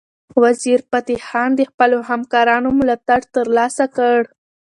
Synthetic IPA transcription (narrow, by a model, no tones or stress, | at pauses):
waziɾpat̪ixɑnd̪əxpəlohamkɑɾɑnomʊlat̪aɽt̪əɾlɑsakəɽ